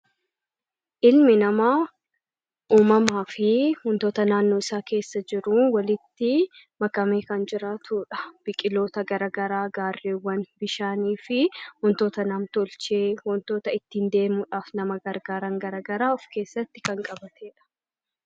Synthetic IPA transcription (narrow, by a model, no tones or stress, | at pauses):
ʔɪlmɪnɐma | ʔuːmɐmaːfɪhʊnt̪oːt̪ɐnaːnːoːɪsaːke̞ːsːɐd͡ʒɪɾʊwɐlɪt̪ːɪ | mɐkɐmeːkɐnd͡ʒɪɾaːt̪ʰuːᶑɐ̥b̥ɪkʼɪlo̞ːt̪ɐɡɐɾɐɡɐɾaːɡaːrːeːwːɐnbɪʃaːniːfɪhʊnt̪o̞ːt̪ɐnɐmt̪ɔlt͡ʃeːwɔnt̪o̞ːt̪ɐɪt̪ːiːnd̪e̞ːmuᶑaːfnɐmɐɡɐɾɡaːɾɐŋɡɐɾɐɡɐɾaːɔfke̞ːsːɐt̪ːɪ̥kɐŋkʼɐbɐt̪ʰeːᶑɐ̥